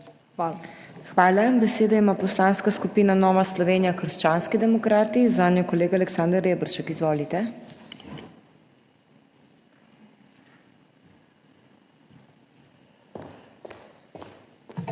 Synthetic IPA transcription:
xʋaːlabɛseːd̪ɔimaːpɔslaːnskaskupiːnanɔːʋaslɔʋeːnijakəɾʃt͡ʃaːnskid̪ɛmɔkɾaːt̪izanjokɔleːɡaːlɛksaːnd̪əɾeːbɾʃɛkizʋoːlit̪ɛ

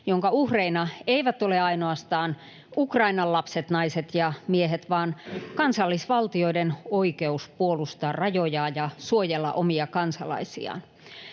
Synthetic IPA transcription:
joŋkɑuhreinɑeiʋæt̪oleɑinoɑst̪ɑːn | ukrɑinɑllːɑpset̪nɑiset̪jɑmieɦet̪ʋɑːnkɑnsɑlːisʋɑlt̪ioidenoikeuspuolust̪ɑːrrɑjojɑːjɑsuojelːɑ̰ʔomiɑkɑnsɑlɑ̰isḭɑ̰ːn

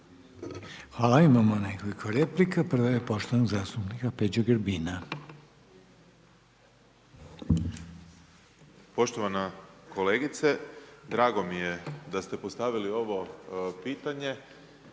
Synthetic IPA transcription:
xʋaːlaimamonekolikʰoɾeplikapr̩ʋoje̞po̞ʃt̪oʋanoɡzaːst̪upnikaped͡ʑoɡəɾbiːna | po̞ʃt̪oʋanako̞leɡit̪sed̪ɾaːɡo̞mije̞d̪ast̪epost̪aʋilio̞ʋo̞piːt̪aɲe̞

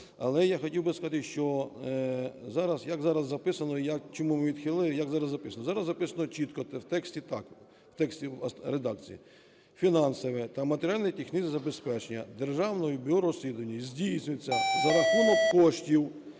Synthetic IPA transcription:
ɐlˠɛjaxɔtʲiwbɪskɐzɑt̪ɪʃt͡ʃɔ | zɑɾɐzjɐkzɑɾɐzːɐpɪsɐnɔjɐk̚t͡ʃɔmumɪʋʲid̪xɪlˠɪjɐkzɑɾɐzːɐpɪsɐnɔzɑɾɐzzːɐpɪsɐnɔt͡ʃit̪kɔt̪ɛwt̪ɛksʲtʲit̪ɑk | wt̪ɛksʲtʲiɾed̪ɑkt͡sʲḭjḭ | fʲinɑnsɔʋɛt̪ɐmɐt̪eɾʲɪalʲnjitʲixnɪzʲɪzɐbespɛt͡ʃenʲːɐd̪erʒɑwnɔjɔbʲiɔɾɔsʲlʲid̪ʊʋɐnʲːɐizʲdʲijsʲnʲʊj̪ʲt͡sʲːɐzɐɾɐxumɔkkɔʃtʲiw

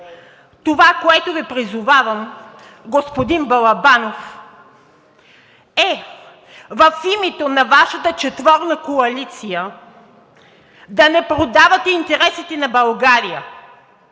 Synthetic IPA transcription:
t̪ovakoɛt̪ovipɾizʊvavɐm | ɡospod̪inbɐlˠɐbanof | ɛ | vɐfimɛt̪onɐvaʃɐt̪ət͡ʃɛt̪vɔɾnəkoɐlit̪sijə | d̪ɐnɛpɾod̪avɐt̪ɛint̪ɛɾɛsit̪ɛnɐbɐlˠɡaɾijə

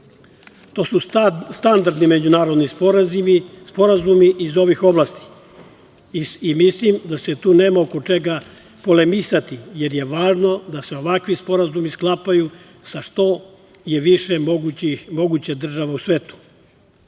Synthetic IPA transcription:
t̪o̞sust̪and̪aɾd̪nime̞d͡ʑunaːɾod̪ni | spo̞ɾazumiʔizo̞ʋixo̞blˠast̪i̥ | imislimd̪ase̞t̪uːneːmaokot͡ʃe̞ɡa | po̞le̞misat̪ije̞ɾje̞ʋaːʒno̞d̪ase̞o̞ʋakʋispo̞ɾazumisklˠapaju | saʃt̪o̞ | je̞ʋiʃemoɡuimo̞ɡut͡ɕad̪r̩ʒaʋausʋeːt̪u̥

